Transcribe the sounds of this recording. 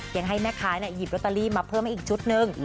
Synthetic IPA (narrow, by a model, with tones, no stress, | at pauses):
ja˨˧˩ŋɦa˥˩jmɛː˥˩kʰaː˨˦˥na˧˩ji˨˩p̚ɾt̪ːa˧liː˥˩˨maː˧pʰɤː˥˩˨mha˥˩ʔiː˨˩t͡ɕʰu˦˥t̪̚nɯ˧ŋ